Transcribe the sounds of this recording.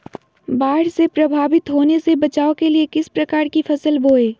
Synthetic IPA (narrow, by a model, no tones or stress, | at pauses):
baːɽsepɾɐbʱaːbɪt̪ɦoːnesebɐt͡ʃaːokeliekɪspɾɐkaːɾkipʰɐsəlboːeː